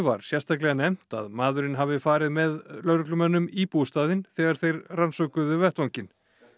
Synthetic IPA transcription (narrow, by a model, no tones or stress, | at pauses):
va̰ɾ̥sjɛrst̪aklɛɣanɛm̥t̪a̰ðmaːðʏɾɪnɦavɪfaːɾɪðmɛðlœɾklʏmɛnːʏmipust̪aːðɪnθɛːɣaɾ̥θejɾransɔkʏðʏvɛht̪vaŋcɪn